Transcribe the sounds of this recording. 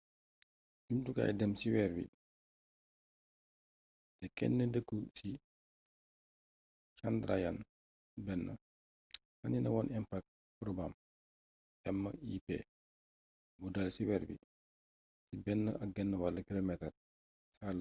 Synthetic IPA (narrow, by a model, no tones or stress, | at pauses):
d͡ʒumtuka̰ːjdɛmsiwɛːɾbḭ | dɛkɛ̰nːədəkːusi | kandɾajan | bɛnːə̰ | hɐninɐwɔnʔɛmpak̚t | pɾɔbam | ʔɛmːɐipɛ̰ː | budɐlsiwɛːrbḭ | sibɛnːəʔɐk̚ɡɛnːəwalːɐkilomɛtɐr | sal